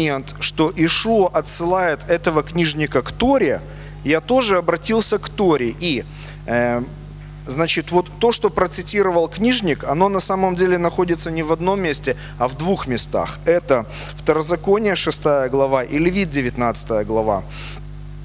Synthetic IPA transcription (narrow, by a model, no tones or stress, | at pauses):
ent̪ʂt̪o̞ʔɪʂuəʔɐt̪sɨlˠajɪt̪ɛt̪əvəknʲiʐnʲɪkəkt̪o̞ɾʲɪ | jat̪o̞ʐɨɐbɾɐtʲilˠsʲəkt̪oɾʲɪʔi | znat͡ɕɪt̪vo̞t̪ːo̞ʂt̪o̞pɾət̪sɨtʲiɾəvəlˠknʲiʐnʲɪkɐno̞nɐsaməmdʲelʲɪnɐxo̞dʲɪt̪sənʲɪvɐd̪no̞mʲːesʲtʲɪ | ɐvd̪vuxmʲɪst̪a̰xɛt̪ə | ft̪əɾəzɐko̞nʲɪjəʂɨst̪ajəɡlˠɐvaʔɪlʲvʲit̪̚dʲɪvʲɪt̪nat̪sɨ̥t̪əjəɡlˠɐva̰